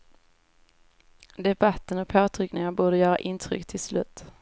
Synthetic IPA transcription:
d̪ɛbat̪ːənɔk̚pʰoːt̪ʰɾʏknɪŋabuːɖəjœːɾa̰ʔɪnt̪ʰɾʏ̰kːt̪ʰɪlslʉ̟ːt̪

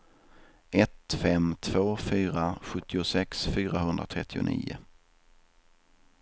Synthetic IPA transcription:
ʔɛt̪fɛmt̪ʰv̥oːfyːɾaɧɵt̪ʰːɪʊsɛksfyːɾaɦɵnd̪ɾat̪ʰɾɛt̪ːɪʊ̰nḭːʊ̰

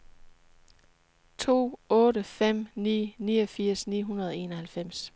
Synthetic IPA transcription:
t͡sʰo̝̰ːɔ̽ːɾəfem̰nḭːniːɒfiɐ̰snḭːɦunɐð̞ˠɒe̝ːnɒ̽hælfem̰s

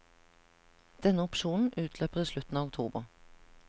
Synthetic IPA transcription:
d̪̥ɛnəʊpʃuːn̩ʔʉːt̪ʰløːpəʁiːʃlʉt̪n̩ɑːʋʊk̚t̪ʰṵːbəʁ

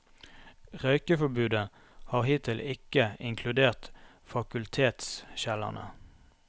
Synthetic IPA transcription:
ʁœʏkəfɔbʉːd̪ə | hɑːʁhiːt̪ʰɪlʔɪkəɪŋkʰlʉd̪eːʁt̪ | fɑkʉlt̪ʰeːt̪sʃælɑ̰nə̰

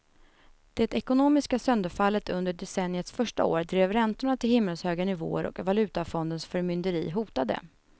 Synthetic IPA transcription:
d̪̥ɛt̪ɛkʊnoːmɪskasœnd̪əɾfalːət̪ɵnd̪əɖɛsɛnːjət̪sfœʂʈa̰o̰ːɾd̪ɾeːvɾɛnt̪ʊɳat̪ʰɪlhɪmːəlshøːɡanɪvo̰ːə̰ɾʔɔ̰kvalʉ̟ːt̪afɔnd̪ənsfœɾmʏnd̪əɾḭːɦuːt̪ad̪ə̰

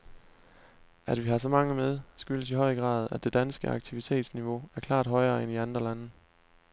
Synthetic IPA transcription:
ʔæd̥ʋiɦɑ̈s̬ɒ̽mɑ̈ŋəmeð̞ˠsɡ̥yləsiɦɒ̽ɪəɡ̥ʁɑ̰̈ːð̞̩ˠæd̥e̝d̥ænsɡ̥əɑ̈ɡ̥̚t͡sʰiʋit͡sʰe̝̰ːd̥sniʋo̝æɐkʰlɑ̰̈ːd̥ɦɒ̽ɪɐːeniɑnd̥ʁɐlænə

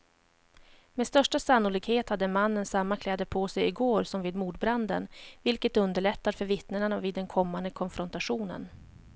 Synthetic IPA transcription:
mɛst̪œʂʈasanːʊliːɡheːt̪had̪ːəmanːənsamːakʰlɛːd̪əɾpʰoːsɛjɪɡoːɾsɔmviːd̪muːd̪bɾand̪ə̰nvɪlkət̪ɵnd̪əɭɛt̪ːaɾfœɾvɪt̪nəɳaviːd̪ːɛnkʰɔmːand̪əkʰɔnfɾɔnt̪aɧuːnə̰n

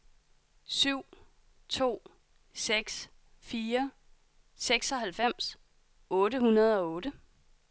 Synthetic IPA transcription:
syʊ̰ | t͡sʰo̝̰ː | seɡ̥s | fiːɐ | seɡ̥sɒ̽ɦælfem̰s | ɔ̽ːɾəhunɐð̞ˠɒ̽ɔːɾə

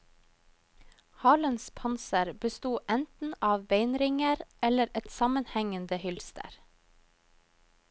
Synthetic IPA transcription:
hɑːlənspʰɑnsəɾbəst̪uːʔɛnt̪n̩ʔɑːʋbeɪnɾɪŋəɾɛləɾɛt̪sɑmənhɛŋənd̪əhʏlst̪ʰə̰ɾ

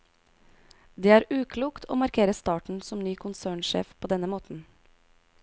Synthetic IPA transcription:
d̪eːæːɾʉːkʰluːkt̪ʰo̰ːmɑɾkʰeːɾəst̪ɑːʈɳ̩sɔmnyːkʰʊnsæːɳʃḛːfpʰoːd̪ɛnəmoːt̪n̩

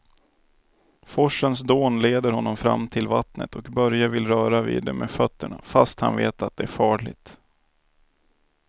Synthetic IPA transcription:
fɔʂːəns̬d̪oːnleːd̪əɾhɔnːɔmfɾa̰mːt̪ʰɪlvat̪nə̰t̪ɔkbœɾjavɪlɾœːɾavḭːd̪ɛmefœt̪ːəɳa̰fast̪ha̰nveːt̪at̪̚d̪ɛæɾfɑːɭɪ̰t̪

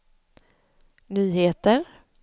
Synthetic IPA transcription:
nyːɦeːt̪əɾ

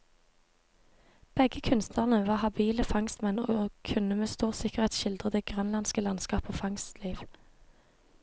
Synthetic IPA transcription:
b̥ɛɡəkʰʉnst̪nəʁnəʋɑːhɑbiːləfɑŋst̪mɛnoːkʰʉnəmeːst̪uːʁsɪkəʁheːt̪sʃɪld̪ʁəd̪eːɡ̥ʁœnlɑnskəlɑnskɑːpoːfɑŋst̪liːʋ

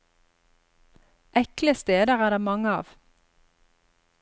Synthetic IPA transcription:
ʔɛkləst̪eːd̪əʁæːʁd̪eːmɑŋəɑ̰ːʋ

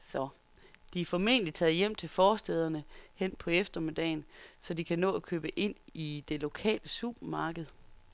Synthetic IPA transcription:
sɒ̽ | d̥iæfɒme̝ːnəlit͡sʰɛð̩ˠjem̰t͡sʰe̝lfɒːsd̥eð̞ˠɐnəhen̰pʰɒ̽efd̥ɐme̝d̥ɛ̰ɪnsɒ̽dikʰænɔ̰̽ːækʰø̰ːb̥əʔe̝n̰id̥e̝lo̝kʰɛ̰ːləsub̥ɐmɑ̈ːɡ̥əð̞̩ˠ

